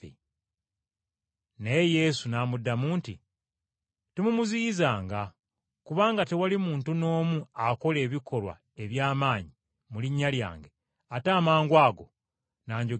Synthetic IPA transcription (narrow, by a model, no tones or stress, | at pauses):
ḛ | neje̞sunaːmudːamuːnti | temumuziːzaːŋɡa | kuβaːŋɡatewalimuːntuno̞ːmuako̞le̞ːβikʰo̞lwa̰ | e̞βjaːmaːɲi | muliɲːalja̰ːŋɡe̞ | ataːmaːŋɡwaːɡo̞ | naːɲɟo